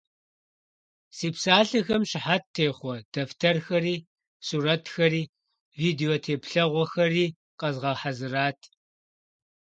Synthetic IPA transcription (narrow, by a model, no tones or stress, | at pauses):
siːpsaːɬɐxɐmɕɪħatʰːeːχʷɔd̥ɐftʰɐrxɐɾiː | suːɾɐtʰxɐɾiː | viːdeoːtʰeːpɬɐʁʷɔxɐriː | qɐzʁɐħazɨraːtʰ